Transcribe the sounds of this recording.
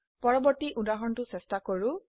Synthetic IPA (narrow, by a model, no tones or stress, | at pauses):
pɔɹɔbɔɹtiʔudaɦɔntʊsɛstakoɹu